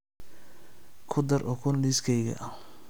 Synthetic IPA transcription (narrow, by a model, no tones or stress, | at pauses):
kʰʊd̪ɐɾʔɔkʰʊnliskʰɛjɣɐ̰ʔɐ